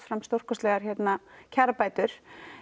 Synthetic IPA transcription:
fɾamst̪or̥kɔslɛːɣaɾ̥çɛt̪nacʰaɾapaːjt̪ʏɾ̥

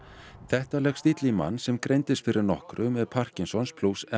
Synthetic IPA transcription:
θɛht̪alɛxst̪it̪lɪma̰nːsɛmkɾejnt̪ɪst̪fɪɾʔɪɾnɔhkɾʏmɛðpʰar̥cɪnsɔnspʰlusɛ

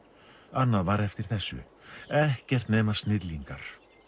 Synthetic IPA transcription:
anːaðvaɾɛft̪ɪɾ̥θɛsːʏ̰ | ɛhcɛr̥t̪neːjmḁst̪nɪt̪liŋkaɾ̥

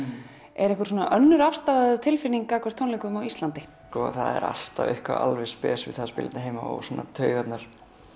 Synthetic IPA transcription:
ɛɾɛhkʏɾ̥soɔnaʔœnːʏɾafst̪aðaðʏt̪ʰɪlfɪniŋkakʰvɛɾ̥t̪ʰːownlejkʏmawist̪lant̪ɪ | skɔːaθaðɛɾa̰l̥t̪avʏhkva̰a̰lvɪspɛːsvɪ̰ðθaðspɪ̰lt̪naɦeːjmaɔ̰wsɔːnːat̪ʰœːɥɣat̪naɾ̥

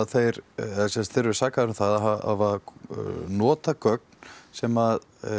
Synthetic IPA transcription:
ðθejɾɛðasɛnst̪θɪɾvɪ̥saːkaðɾʏmθaðaɦaa̰va | nɔːt̪akœk̚n̥sɛmað

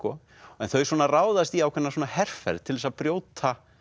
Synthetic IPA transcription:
kɔ | ɛnθœɥswɔːnaraːwðast̪iawkʰvɛnasoːnahɛr̥fɛ̰ɾðt̪ʰɪlvɛsapɾjoːwt̪ʰa

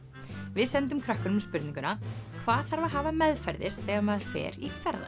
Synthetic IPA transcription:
vɪðsɛnt̪ʏmkʰɾœhkʏnʏmspʏɾt̪nĩŋkʏnakʰvaːðθaɾvaɦaːvamɛðfɛɾðɪsθɛːɣamaðɾ̥fɛ̰ːɾikʰvɛɾða̰

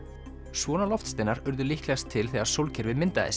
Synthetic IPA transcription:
svɔːnalɔft̪st̪eːjnaɾʏɾðʏlihklɛɣast̪ʰːɪlθeːɣaɾ̥sowlcʰɛɾvɪðmɪnt̪aɪ̰s

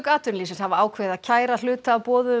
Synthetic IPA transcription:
kaːt̪ʏnliːsɪnshavaaːwkʰveːðacʰaːjɾal̥ʏːt̪aːpɔːðʏ

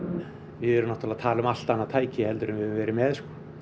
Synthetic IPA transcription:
vɪðɛɾʏnɔht̪alaðt̪ʰaːlʏmal̥t̪anːat̪ʰaːjcɪhɛlt̪ʏɾʏmvɪvɛːɾɪmɛːðskɔ̥

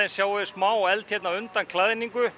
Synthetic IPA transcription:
ɪnsjaːwvɪsmaːwɔɣɛlt̪jɛt̪naʏnt̪ankʰlaðɪniŋkʏ

